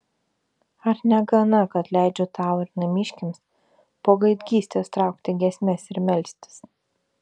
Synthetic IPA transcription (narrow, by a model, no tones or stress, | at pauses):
ɐɾnʲɛɡɐnɐkɐt̪lʲæˑɪd͡ʒʲoːt̪ɑˑʊɪɾnɐmʲɪʃʲkʲɪms | poːɡɐɪd̪ʲɡʲiːsʲt̪ʲeːst̪ɾɑˑʊkt̪ʲɪɡʲɛsʲmʲɛsɪɾmʲɛlʲsʲt̪ʲɪ̥s